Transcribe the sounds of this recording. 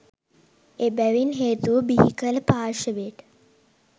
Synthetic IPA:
eːbæʋinɦeːt̪uʋəbiɦikələpaːʃəʋeʈ

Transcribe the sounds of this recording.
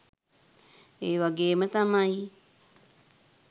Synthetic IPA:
ewaɡeːmat̪amaj

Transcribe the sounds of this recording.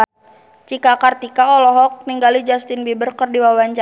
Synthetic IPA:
t͡ʃikakart̪ikaɔlɔɦɔk̚niŋɡalid͡ʒast̪inbibərkərdiwawaɲt͡ʃa

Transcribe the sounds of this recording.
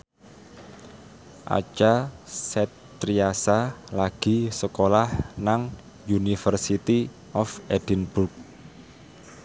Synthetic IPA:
ʔa̰t͡ʃasɛt̪ː | ɾiasalaɡ̥i̤səkolahnaŋ | junifərsit̪i | ʔɔfed̥inb̥urk̚

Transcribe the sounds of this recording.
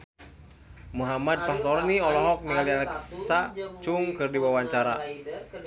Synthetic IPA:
muɦamad̪̚paht̪ɔɾniɔlɔɦɔk̚nialialɛksat͡ʃuŋkɨrdiwawaɲt͡ʃaɾa

